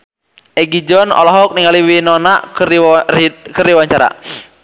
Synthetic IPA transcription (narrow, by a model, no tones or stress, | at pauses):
ɛɡid͡ʒɔnɔ̰lɔɦɔk̚niŋaliwinɔnaʔk | kəɾiwaɲt͡ʃaɾa̰